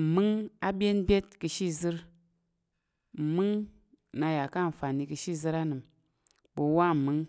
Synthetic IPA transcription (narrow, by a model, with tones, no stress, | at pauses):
m̩˨mɨ˦ŋa˦bʲe˦nbʲe˦tkɨ˧ʃi˦zɨ˧ɾ | mɨ˦ŋ | na˧ja˨ka˦˨n̩˨fa˨ni˧kɨ˧ʃi˦˨zɨ˧ɾa˦nɨ˨m | ɓo˧wa˦m̩˨mɨ˦ŋ